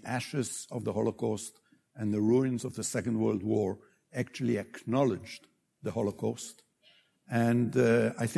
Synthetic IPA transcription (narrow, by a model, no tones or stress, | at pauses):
ʔæʃɪz̥ʌvðəhɔlˠokɔst | ɨ̃nðɨɹuɪ̃nzʌvðəsɛkə̃n̩d̚wɜ˞lˠd̚wɔɹ | æk̚t͡ʃʉl̩ˠiɨknɑlˠɪd͡ʒ | ðəhɔlˠokʰɔst | ɨ̃naɪθ